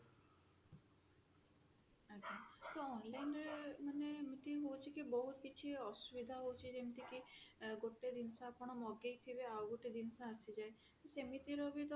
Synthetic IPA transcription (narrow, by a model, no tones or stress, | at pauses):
aat̪oɔnlajnɾemanemit̪iɦowt͡ʃʰikibɔɦut̪kit͡ʃʰiɔsubid̪ʱaɦowt͡ʃʰid͡ʒemit̪ikiɡoʈed̪insaːpɔɽ̃ɔmɔɡejt̪ʰibeawɡoʈed̪insaːsid͡ʒae | t̪esemit̪iɾɔbit̪ɔ